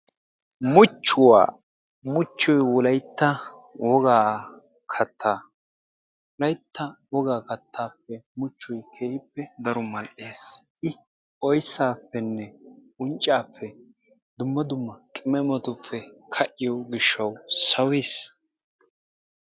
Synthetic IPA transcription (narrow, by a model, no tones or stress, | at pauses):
mʊt͡ʃːʊwa̰ː | mʊt͡ʃːɔjwɔlɐjt̪ːɐ | wɔɡaː | kʰɐt̪ʰːaː | wɔlɐjt̪ːɐwɔɡaːkɐt̪ʰːaːpːɛmʊt͡ʃːʊjkʰeːhɪpːɛd̪ɐɾɔmɐlʔeːsʔɪ | ʔɔjsːaːfːɛnːɛ | ʊnt͡ʃʼːaːfːɛ | d̪ʊmːɐd̪ʊmːɐkʼɪmɛmɔt̪ʊfːɛ | kʰɐʔːɪjɔɡɪʃːɐwsɐweːs